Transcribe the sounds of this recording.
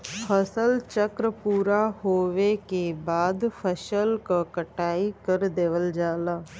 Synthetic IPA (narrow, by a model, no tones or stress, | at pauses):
pʰəsəlt͡ʃəkɾəpuːɾahoːʋekebaːd̪fʰəʃəlkakəʈaːikəɾd̪eːʋəld͡ʒaːlaː